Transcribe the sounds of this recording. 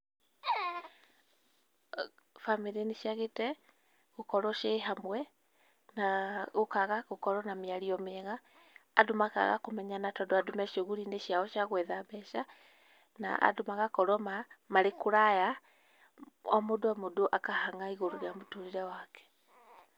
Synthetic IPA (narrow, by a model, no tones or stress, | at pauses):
famiɾineʃjaɣetɛ | ɣokɔɾɔʃeɦamwɛ | naɣokaɣaɣokɔɾɔnameaɾiɔmeɣaː | domaka̰ɣa̰komɛɲanatɔdoadomɛʃoɣuɾineʃjaɔʃjaɣwɛðabɛʃa | na̰ʔa̰domaɣakɔɾɔmamaɾekoɾaja | ɔmodoamodoʔakahaŋaiɣoɾoɾjamotuɾiɾɛwakɛ̥